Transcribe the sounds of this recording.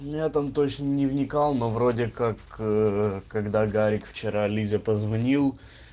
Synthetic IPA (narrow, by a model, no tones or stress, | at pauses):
mʲɪnʲat̪amt̪ot͡ɕnənʲɪvnʲɪkɑlˠnovɾo̞dʲɪkakəkɐɡd̪aɡaɾʲɪkft͡ɕɪɾalʲizʲəpəzvɐnʲilˠ